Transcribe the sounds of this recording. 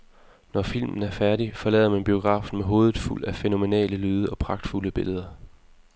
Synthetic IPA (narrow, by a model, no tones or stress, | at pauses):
nɒfil̰mn̩æɐfæɐɾ̥ifɒ̽lɛ̰ːð̰ˠɐmænb̥io̝ɡ̥ʁɑ̰̈ːfn̩meɦo̝ːðˠð̩ˠful̰æfeno̝me̝nɛ̰ːləlyːð̞ˠəɒ̽pʰʁɑ̈ɡ̥̚d̥fuləb̥e̝ləð̞ˠɐ